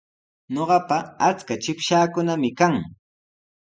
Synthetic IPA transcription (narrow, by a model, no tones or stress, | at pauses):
ɲoɢɑpaat͡skat͡ʃɪpʃaːkʊnamɪkaŋ